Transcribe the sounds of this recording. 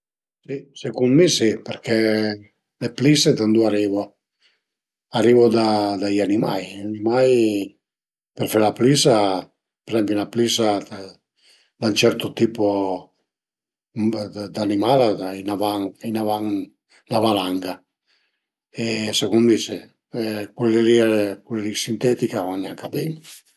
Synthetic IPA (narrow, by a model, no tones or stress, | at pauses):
sisekunmisipeɾkʰe | lepliset̪and̪uaɾivo | aɾivod̪ad̪ajanima̰janimaj | perfaɾlaplisa | peɾzɛmpjunaplisa | d̪aunt͡ʃɛɾt̪ot̪iːpo | d̪animalaainavaŋinavaŋ | navalaŋɡa | esekund̪ise | kwelːeɾikwelɾisint̪ɛt̪ikavanːiaŋkad̪ɛn